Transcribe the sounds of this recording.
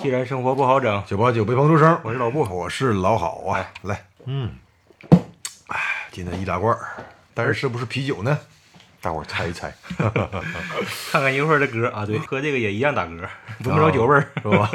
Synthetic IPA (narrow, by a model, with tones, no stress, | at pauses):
t͡ɕi˥˧ɻa˧˥nʂɤ˥ŋxwɔ˧˥pu˥˩xɑ˧˥ʊʈ͡ʂɤ˨˩˦ŋt͡ɕjo˨˩pt͡ɕjo˨˩p̬e˥˩pʰŋʈ͡ʂʰu˥˧ʂə˥wɔ˨˩ʂɻ̩˥˩lɑ˨˩ʊpu˥˩wɔ˨˩ʂɻ̩˥˩lɑ˧˥ʊxɑ̰˨˩˦ʊɐ˦la˧˩ɪn̩˥˩ | a˨t͡ɕjɛ˥nd̪ə˧˩i˥˩t̪a˥kwɐ˥˧˩ | t̪a˥˧ʂʂɻ̩˥˧ʂɻ̩˥˩bu˧ʂɻ̩˥˩pʰi˧˥t͡ɕjo˨˩ʊnə˦ | t̪a̰˥˧kwa̰˥˨˩t͡sʰa˧˥˩ɪ˥˧t͡sʰa˧˥ɪ | kʰa˥˧nkʰa˥˩ni˥ʂwə˥˧˩ə˧k̩˧˥ʔa˧t̪we˥˩ɪxɤ˧˥ne˥˩ɡə˩jɛ˨˩i˧˥jɑ˥˩ŋt̪a˨˩kɤ˧˥pu˧˥˧ʂo˧˥t͡ɕjo˨˩ʊpə˥˧wɔ˧˩